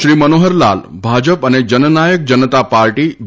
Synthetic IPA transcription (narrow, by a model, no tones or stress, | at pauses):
ɾiːmənoɦəɾla̰lbʱad͡ʑəpəned͡ʑənənajək̚d͡ʑənət̪apaɾʈiː